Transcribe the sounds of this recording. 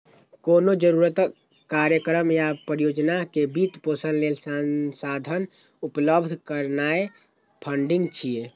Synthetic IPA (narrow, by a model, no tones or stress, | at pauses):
konod͡ʒəɾuɾət̪ | kaɾjəkɾəmjapɾijod͡ʒnakebit̪posənlelsansad̪ʱən | upləbd̪ʱkəɾnae | pʰəɳɖiŋɡt͡ʃʰije